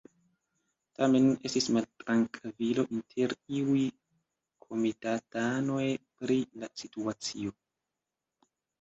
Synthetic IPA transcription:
tame̞ne̞stismaltɾaŋkʰvilo̞ʔintʰe̞ɾiuj | kʰo̞mitatanojpɾilasituat͡sio̞

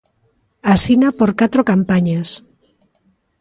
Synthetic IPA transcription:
asinapoɾkat̪ɾokampaɲes

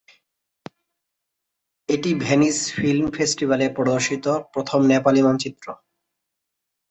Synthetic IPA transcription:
eʈibʱenisfilmfʰesʈibʱalepɾɔd̪oɾʃit̪opɾot̪ʰomnɛpalimɔnt͡ɕit̪ːɾo

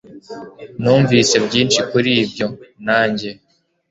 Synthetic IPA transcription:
nuːɱviːse̞bɟiːnʃikuɾiːbjo̞naːɲɟe̞

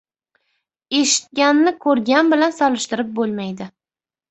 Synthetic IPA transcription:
e̞ʃɪ̥t̪̚ɡʲanːɪkʰɵɾɡʲanbɪlansɒlɪʃt̪ɪɾɪp̚bolˠmajd̪ɪ

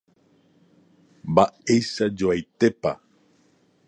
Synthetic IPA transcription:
baejʃad͡ʒoajt̪e̞pa̰

